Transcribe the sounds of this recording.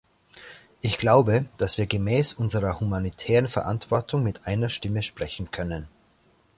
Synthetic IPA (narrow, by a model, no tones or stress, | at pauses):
ʔɪçɡ̥laʊbəd̥asv̥iːɐɡəmɛːsʔʊnzəʁɐhumanitʰɛːʁənfɛɐʔantv̥ɔɐtʰʊŋmɪtʔaɪnɐʃtɪməʃpʁ̥ɛçn̩kʰœnən